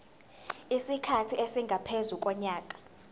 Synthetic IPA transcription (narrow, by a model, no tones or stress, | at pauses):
isikʰatʰiesiŋɡʱapʰezuk̬ʼɔɲaːk̬ʼḁ